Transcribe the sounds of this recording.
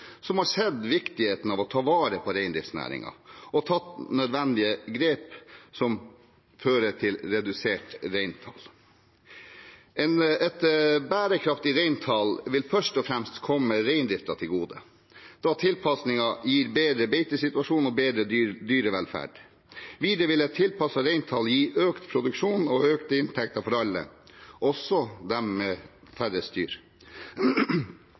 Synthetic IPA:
sɔmhɑʂɛd̪ʋɪkt̪ɪheːt̪n̩ɑʋɔt̪ʰɑːʋɑːɾəpʰɔɾæɪnd̪ɾɪft̪snæ̰ːɾɪ̰ŋɑ̰ɔt̪ʰɑt̪nœd̪ʋɛnd̪ɪəɡɾeːpsɔm | føːɾəʈʰɪlɾɛd̪ʉseːʈɾæɪnt̪ʰɑ̰l | ɛnɛt̪bæːɾəkʰɾɑft̪ɪɾæɪnt̪ʰɑlʋɪlfœʂʈɔfɾɛmst̪kʰɔmːəɾeɪnd̪ɾɪft̪ɑt̪ʰɪlɡuːd̪ə | d̪̥ɑt̪ʰɪlpʰɑsnɪŋɑjiːɾbeːd̪ɾəbeɪt̪əsɪt̪ʉɑʂuːnɔbeːd̪ɾəd̪yːɾəʋɛlfæ̰ːɖ | ʋiːd̪ɾəʋɪlɛt̪ʰːɪlpʰɑsɑɾeɪnt̪ʰɑljiːʔøːkt̪pʰɾʊd̪ʉkʂuːnɔøːkt̪əɪnt̪ʰɛk̚t̪ɑfɔɾɑlːə̰ʔɔsɔd̪ɛmmeː | fæɾəst̪y̰ːɾ

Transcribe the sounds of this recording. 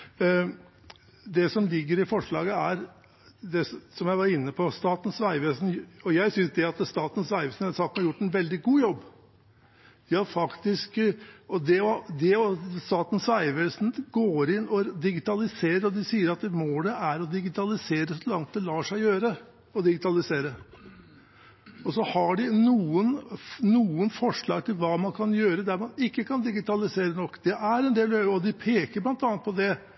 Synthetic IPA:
d̪ɛsɔmlɪɡːəɾɪfɔʂɭɑ̰ːɡəæɾ | d̪ɛssɔmjæɪʋɑɾɪnːəpʰɔst̪ɑːt̪n̩sʋæɪʋeːsn̩ɔjæɪsʏnsd̪ɛɑt̪st̪ɑːt̪n̩sʋæɪʋəsn̩ɛst̪ɑːt̪n̩hɑɾjʊʈːɛnʋɛld̪ɪɡuːjɔbː | d̪ɪhɑɾfɑkt̪ɪskɔd̪ɛɔd̪ɛɔst̪ɑːt̪n̩sʋæɪʋeːlsn̩ɡ̥oːɾɪnːɔd̪ɪɡɪt̪ɑlɪseːɾəɾɔd̪ɪsiːəɾɑt̪moːəʔæɾɔd̪ɪɡɪt̪ɑlɪseːɾəsɔlɑŋt̪̚d̪ɛlɑːʂæɪjøːɾə | ɔd̪ɪɡɪt̪ɑlɪseːɾə | ɔsɔhɑɖɪnuːənnuːənfɔʂɭɑːɡ̚t̪ʰɪlʋɑːmɑnkʰɑnjøːɾəd̪æɾmɑnɪkːəkʰɑnd̪ɪɡɪt̪ɑlɪseːɾənɔkːd̪ɛʔæɾɛnd̪eːløɔd̪ɪpʰeːkəblɑnt̪ɑːnt̪pɔd̪ɛ

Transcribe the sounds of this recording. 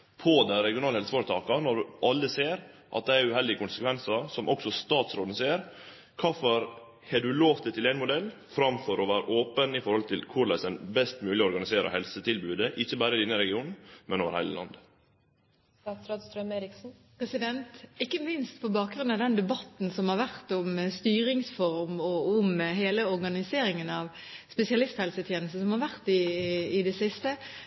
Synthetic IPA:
pʰɔd̪æɾɛɡɪʊnɑːləɛlsəfoːɾət̪ʰɑːkɑnɔɖʉʔɑlːəseːɾʔɑ̰t̪̚d̪ɛæɾʉhɛld̪ɪəkʊnsəkʋɛnsɑsɔmʔɔksɔst̪ɑːt̪sɾoːd̪n̩seːəɾ | kʰɑːfɔɾ | hɛɖʉloːʋt̪ət̪ʰɪlæɪnmʊd̪ɛlː | fɾɑmfɔɾʔɔʋæːɾə̰ʔoːpənɪfɔɾhɔlt̪ʰɪlkʰʊɾlæsənbɛst̪mʉːlɪɔɔɾɡɑnɪseːɾɑ̰hɛlsət̪ʰɪlbʉːd̪əʔɪçːəbæːɾəɪd̪ɪnːəɾɛɡɪuːnn̩mɛ̰noːʋəɾhæɪlə̰lɑ̰nd̪ə | st̪ɑːt̪sɾɑːd̪st̪ɾœmeːɾɪksn̩pʰɾɛsɪd̪ɛnt̪ɪkːəmɪnst̪pʰɔbɑːk̚ɡɾʉnɑʋd̪ɛnd̪ɛbɑt̪n̩sɔmhɑɾʋæʁt̪ʊmst̪yːɾɪŋsfɔɾmɔʊmɦeːləɔɾɡɑnɪseːɾɪŋənɑʋ | spɛsɪɑlɪst̪hɛlsət̪ʰjeːnəst̪əsɔmhɑɾʋæʁt̪ɪːd̪ɛsɪst̪ə

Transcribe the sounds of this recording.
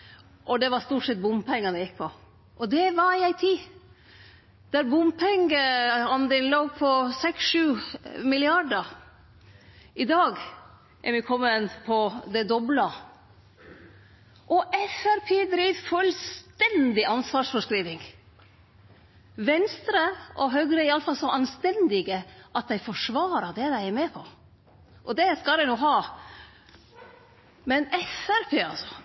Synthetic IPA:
ʔɔd̪ɛʋɑɾst̪uːʈʂɛt̪̚bʊmpɛŋːɑnɛjɪk̚pʰɔ | ʔɔd̪ɛʋɑɾɪæɪt̪ʰiː | d̪̥æɾbʊmpʰɛŋɡəɑnd̪ɛnloːpʰɔsɛksʃʉːmɪlɪɑɖəɾ | ɪd̪ɑːɡ | ʔɛ̰ɾmɪkʰɔmːənpʰɔd̪ɛd̪ɔblɑ | ʔɔʔɛfæɾpʰeːd̪ɾiːʋfʉlst̪ɛnd̪ɪʔɑnsʋɑːʂfɔʂkɾiːʋɪŋ | ʋɛnst̪ɾəʔɔɦœɡɾəɛɾɪɑləfɑlsɔʔɑnst̪ɛnd̪ɪɡəʔɑt̪̚d̪æɪfɔʂʋɑːɾəd̪ɛd̪æɪɛɾmeːpʰɔ | ʔɔd̪ɛskɑld̪ɛɪnuːɦɑː | mɛnɛfæɾpʰeːɑ̰lsɔ̥

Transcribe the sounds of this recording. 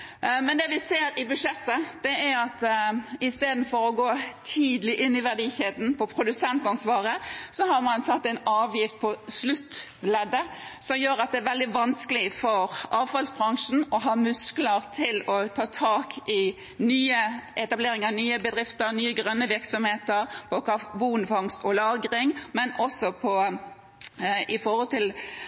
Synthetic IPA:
mɛnd̪ɛʋɪseːɾɪbʉʂɛt̪ːəd̪̥ɛæɑt̪ɪst̪eːd̪n̩fɔɾɔɡoːt̪ʰiːd̪lɪʔɪnːɪʋæʁd̪iːçeːd̪n̩pʰɔpʰɾʊd̪ʉsɛnt̪ɑnsʋɑːɾəsɔɦɑɾmɑnsɑt̪ːæɪnɑːʋjɪft̪̚pʰɔslʉt̪ːlɛd̪əsɔmjøːɾɑt̪̚d̪ɛæɾʋɛld̪ɪʋɑnskəlɪfɔɾʔɑːʋfɑlsbʁɑŋʂn̩ɔɦɑːmʉskləɾt̪ʰɪlɔt̪ʰɑːt̪ʰɑːkʰɪ | nyːəʔɛt̪ɑbleːɾɪŋənyːəbəd̪ɾɪft̪əɾnyːəɡʁœnːəʋɪɾksɔmheːt̪əɾpʰɔkɑbuːnfɑŋst̪ɔlɑːɡɾɪŋmɛnɔsɔpʰɔ | ɪfɔhɔlt̪ɪl

